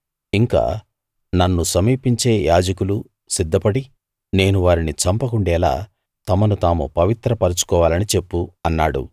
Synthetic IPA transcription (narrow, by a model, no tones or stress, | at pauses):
iŋka̰ː | nɐnːusɐmiːpiɲt͡ʃe̞ːjaːd͡ʒɐkulu | sid̪ʱːɐpɐɽi | ne̞ːnuʋaːɾinit͡ʃɐmpɐkuɳɖɛːla̰ː | t̪ɐmɐnut̪aːmṵpɐʋit̪ɾɐpɐɾut͡ʃu̥kɔːʋaːlɐnit͡ʃe̞pːuɐnːaːɽṵ